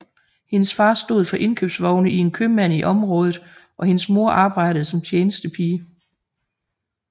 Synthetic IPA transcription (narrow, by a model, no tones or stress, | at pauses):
he̝nəsfɑ̈ːsd̥o̝ð̞̰ˠfɒ̽ʔe̝nkʰø̰ːb̥sʋɒʊnəʔie̝nkʰømæn̰iʔɒ̽mʁɔ̽ːðˠð̩ˠʔɒ̽he̝nəsmo̝ɐ̰ʔɑ̈ːb̥ɑ̈ɪ̰ɾ̥əð̞̩ˠsɒ̽mt͡sʰjeːnəsd̥əpʰiː